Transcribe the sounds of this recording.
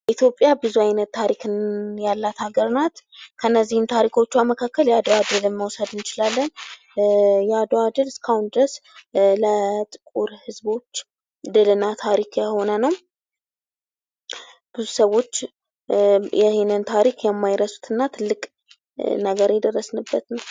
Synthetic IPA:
ʔit̪jo̞pʼːjabɨzuajnət̪ʰːaɾikʰɨnjalːat̪haɡəɾnat̪kʰənːəzːihɨnt̪ʰaɾikʰo̞t͡ʃːuaməkʰakːəljad̪oad̪ɨlɨmːəwsəd̪ɨnt͡ʃɪlalːən | jad̪oad̪ɨlɨskʰahund̪ɨɾəslət̪ʼɨkʼuɾhɨzbo̞t͡ʃː | d̪ɨlɨnːat̪ʰaɾikʰjɛho̞nənəw | b̥ɨzusəwːo̞t͡ʃː | jɛhnɨnt̪ʰaɾikʰjɛmːajɾəsu̥t̪ʰɨnːat̪ʰɨlːɨkʼ | nəɡəɾjɛd̪ərːəsnɨbːət̪nəw

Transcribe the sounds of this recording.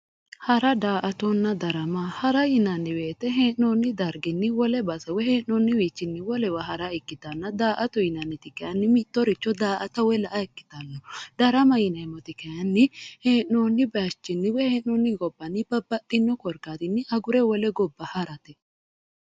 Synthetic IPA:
hɐɾɐd̪aːʔɐt̪ɔnːɐd̪ɐɾɐmɐhɐɾɐjɪnɐnːɪweːt̪ːɛɦeːnːoːnːɪd̪ɐɾɡɪnːɪwɔlɛbɐsɐwɛheːʔɔnːɪwiːt͡ʃːɪnːɪwɔlɛwɐhɐɾɐɛkːɪt̪ɐnːɐd̪aːʔɐt̪ɔjɪnɐnːɪt̪ɪkɐjɐnːɪmɪt̪ːɔɾɪt͡ʃːɔd̪aːʔɐt̪ɐwɛlɐʔɐɛkːɪ̥t̪ɐnːɐd̪̥ɐɾɐmɐjɪnɐmɔt̪ɪkɐjɐnːɪheːoːnːɪbɐt͡ʃːɪnːɪwɛheːnɔnːɪɡɔbːɐnːɪbɐbːɐtːɪnːɔkɔɾkaːt̪ɪnːɪʔɐɡʊɾɛwɔlɛɡɔbːɐhɐɾɐt̪ɛ

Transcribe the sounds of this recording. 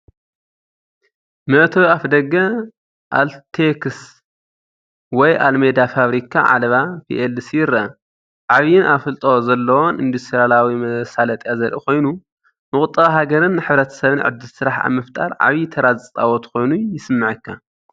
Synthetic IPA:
mɐʔt̪ʰɐwafd̪ɐɡɐ | ʔalt̪ʰekʰs | wɔjʔa̰lmed̪afaβɾikʰːa̰ʕa̰lɐβapʰḭʔelsjɪɾɐʔɐ | ʕaβijɪnʔafɨlt̪ʼozɐlːɐwonʔind̪ust̪ʰʼɾijalawimɐsalɐt̪ʼjazɐɾʔḭko̞jnu | mɨkʼʊt̪ʼːɐɦaɡɐɾɨnːɨħɨβɾɐt̪ʰɐ̥sɐβɨnʕɨ̰d̪ːɨsɨɾaħa̰βmɐft̪ʼa̰ɾʕa̰βit̪ʰɐɾazsʼa̰wot̪ʰɐ̥xo̞jnujɪsɨmːɨʕɨkʰːa

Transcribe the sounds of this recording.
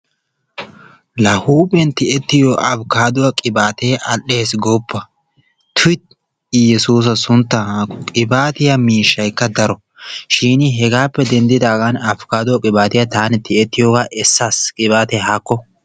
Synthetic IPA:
lɐhuːbɛnt̪ɪɛt̪ːɪjɔʔɐbkaːd̪ʊwɐkʼɪbaːt̪e̞ːʔɐlʔe̞ːsɡoːpːɐ | t̪ʰʊɪt̪̚ | jɛsuːs̬ɐsʊnt̪ːɐkʼɪbaːt̪ɪjɐmiːʃːɐjkːɐd̪ɐɾɔ | ʃiːnɪɦɛɡaːpːɛd̪ɛnd̪ɪd̪aːɡɐnɐbkaːd̪ʊwɐkʼɪbaːt̪ɪjɐt̪aːnɛt̪ɪɛt̪ːɪjoːɡaʔɛsːaskʼɪbaːt̪eːɦakːɔ

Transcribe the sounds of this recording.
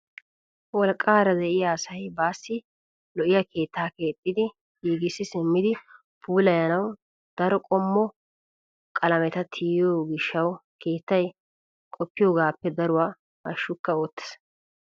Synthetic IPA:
wɔlkʼːaːɾɐd̪ɛʔɪjaːsɐjbaːsːɪ | lɔʔɪjɐke̞ːt̪ːaːke̞ːt̪ʼːɪd̪ɪ | hiːɡɪsːɪsɪmːɪd̪ɪ | pʰuːlɐjɐnɐw | d̪̥ɐɾɔkʼɔmːɔ | kʼɐlɐmɛt̪ɐt̪ʰijjoːɡɪʃːɐwkʰe̞ːt̪ːɐj | kʼɔpːɪjoːɡaːpːɛd̪ɐɾʊwaː | ɐʃːʊkːɐoːt̪ːɛ̥s

